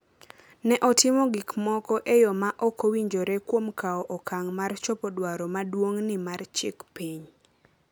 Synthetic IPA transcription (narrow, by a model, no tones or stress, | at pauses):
nɛʔɔtɪmɔɡɪkmɔkɔʔejɔmaʔɔkowiɲd͡ʒoɾɛkwomkaɔʔɔkʰaŋmart͡ʃopɔdwaɾɔmadwoŋnɪmart͡ʃɪkpiɲ